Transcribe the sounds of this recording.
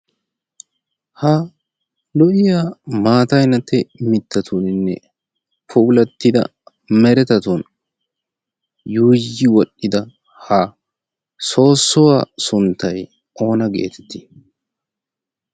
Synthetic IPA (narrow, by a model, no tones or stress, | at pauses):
hɐ | lɔʔɪjaːmaːt̪ɐjnɐt̪ːɛmɪt̪ʰːɐt̪ʰunɪnːɛ̰ | pʰulɐt̪ːɪd̪ɐ̰ | mɛɾɛt̪ɐt̪un | juːjːɪwɔɗːɪd̪ɐ | ha | so̞ːsːɔwa̰ːsʊnt̪ːɐj | o̞ːnɐɡe̞̰ːt̪ʰɛ̥t̪ːɪ